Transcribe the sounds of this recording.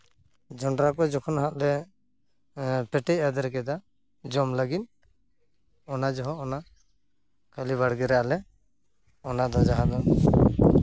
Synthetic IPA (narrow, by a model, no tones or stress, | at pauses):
d͡ʒɔɳɖɾakɔd͡ʒɔkʰɔnɦaʔ̪lɛ | pɛʈɛcad̪ɛɾɛk̬ɛd̪a | d͡ʒɔmlaɡit̪ | ɔnad͡ʒɔɦɔɔna | kaliβaɽɡɛɾɛʔalɛ | ɔnad̪ɔd͡ʒaɦad̪ɔ